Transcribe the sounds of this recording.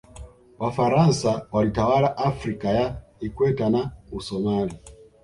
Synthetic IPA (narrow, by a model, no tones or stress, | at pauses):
wʔafaɾansawalitawalaʔafɾikajaikwɛtanausɔmali